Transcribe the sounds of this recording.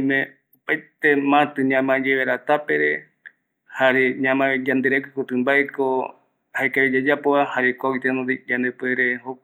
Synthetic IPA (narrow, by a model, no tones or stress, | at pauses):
mẽ | opajt̪emãt̪ɨɲãmãd͡ʒeβeɾat̪apeɾe | haɾeɲãmãd͡ʒand̪ɨɾekikot̪ɨmbaeko | haekaβid͡ʒad͡ʒapoahaɾekʷawit̪enõd̪id͡ʒand̪epeɾeho